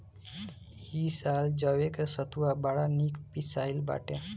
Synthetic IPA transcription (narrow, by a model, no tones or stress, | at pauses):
jisald͡ʒəwekesət̪uabaɽanikpisaːilba̰ːʈe